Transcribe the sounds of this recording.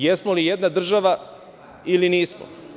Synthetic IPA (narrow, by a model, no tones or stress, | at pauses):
jesmolijed̪nad̪r̩ʒaʋa | iliniːsmo̰